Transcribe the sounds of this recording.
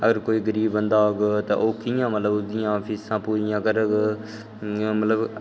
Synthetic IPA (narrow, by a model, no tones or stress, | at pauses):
əɡəɾkoːiːɡəɾiːbːə̃nd̪aːoɡt̪ɐ̰ʔoːkijãːmət̪ləbɡijãfʰiːssãːpuɾijãːkəɾəɡ | mɐt̪ləb